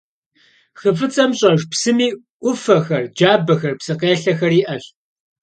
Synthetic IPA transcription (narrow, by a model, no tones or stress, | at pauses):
xɨfɨt͡sʼɐmɕʼɐʒpsɨmiː | ʔʷʊfɐxɐrd͡ʒaːbɐxɐrpsɨqeːɬɐxɐriːʔɐɬ